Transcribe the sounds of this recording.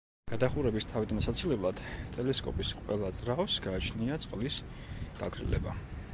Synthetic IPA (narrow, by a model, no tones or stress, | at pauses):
ɡ̥ad̪aχuɾɛbist̪ʰavid̪amasat̪sʰilɛblˠad̪̥t̪ʼɛlɛskʼɔ̰pʼisqʼwɛlˠad̪zʼɾasɡaːt͡ʃʰniat̪sʼqʼlis | ɡ̥aɡɾḭlɛ̰ba̰